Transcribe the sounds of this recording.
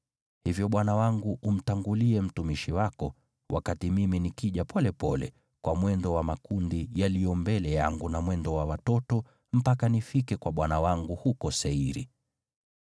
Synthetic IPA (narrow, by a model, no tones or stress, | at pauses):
hivjɔɓwanawaŋɡuʔum̩taŋɡuliɛm̩tumiʃiwakɔ | wʔa̰katimiminikiʄapʰɔlɛpɔlɛ̰ | kwamwɛndɔwamakundijalijɔmbɛlɛjaŋɡunamwɛndɔwawatɔtɔ | m̩pakanifikɛkwaɓwanawaŋɡuhukɔsɛiɾḭ